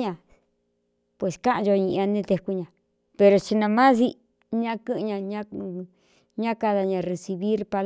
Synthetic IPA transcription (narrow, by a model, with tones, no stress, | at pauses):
ɲã˧ | pwe˨skã˦ʔʒo˧ɲĩ˧ʔa˧nẽ˦t̪e˧ku˧ɲã˨ | pe˧ɾo˧t͡ʃi˧nã˧mã˦s̬i˧ | ɲã˧kɨ̃˦ʔɲã˧ɲã˦˧ | ɲã˦ka˧ða˧ɲã˨re˧si˧βi˦ɾpa˧l